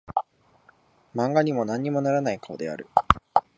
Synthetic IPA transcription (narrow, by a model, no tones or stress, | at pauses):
mãŋɡaɲ̟imo̞nãɲ̟ːimo̞naɾanaikaod̪e̞a̰ɾɯ̟